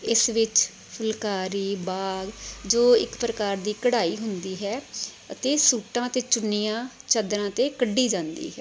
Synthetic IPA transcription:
ɪsʋɪt͡ʃ | pʰʊlkaːɾiːbaːɡd͡ʒoːɪ̰kpɾəkaːɾd̪iːkəɽaːiːɦʊnd̪iːɦɛː | ət̪eːsuːʈãːt̪eːt͡ʃʊnːijãːt͡ʃəd̪ɾãːt̪eːkəɖːiːd͡ʒãːnd̪ḭːɦɛː

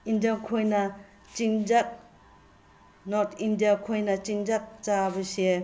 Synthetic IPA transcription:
indiakʰojnɐ | t͡ʃiŋd͡ʒak̚ | nɔtindijakʰojnɐt͡ʃiŋd͡ʒak̚t͡ʃabɐsie

